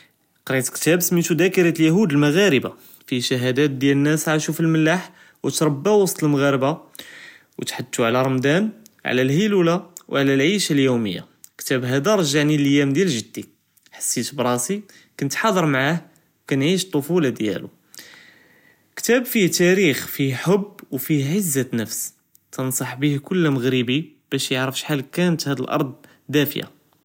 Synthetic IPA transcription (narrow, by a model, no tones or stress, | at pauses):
qɾit̪kt̪æbsmit̪ud̪ækəɾɑt̪ljæɦud̪əlməɣæɾəba | fiʃæɦæd̪æt̪̚d̪jælənːæsʕaʃufilməlːaħ | wət̪ɾˤɑbːawɑsˤt̪ˤəlməɣæɾəba | wət̪ħad̪ːuʕlæɾˤɑmd̪ænʕ̰lælhilulawʕlælʕiʃaljuməjːa̰ | kt̪æbɦæd̪æɾˤɑʒaʕniləjæmd̪jælʒəd̪ːi | ħḁsːit̪bɾˤɑsi | kənt̪ħɑd̪ˤəɾˤmʕah | wkænʕiʃt̪ˤːofulɑd̪jæ̰lṵ | kt̪æbfiht̪æɾixfiħobːwfihʕəzːanəfs | t̪ənsˤɑħbihkʊlːməɣɾəbi | b̥æʃjəʕɾəfʃħalkænət̪hæd̪əlʔɑ̰ɾˤd̪ˤ | d̪æfja̰